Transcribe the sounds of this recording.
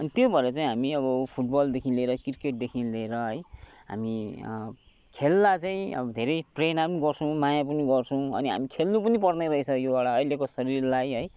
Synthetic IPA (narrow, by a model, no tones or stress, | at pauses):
ʌnit̪jobʱʌeɾʌt͡saĩɦamiʌbʌpʰuʈ̚bʌld̪ekʰinleɾʌkirkeʈ̚d̪ekʰinleɾʌɦʌjɦa̰mi | kʰelːat͡saĩʌ̰bʌd̪ʱeɾʌjprenapmʌniɡʌrt͡sʰʌ̃w̃majapʌniɡʌrt͡sʰʌw̃ʌ̰niɦa̰mikʰelnupʌnipʌrneɾʌisʰʌjoaɽaʌjlekosʌɾirlajɦʌj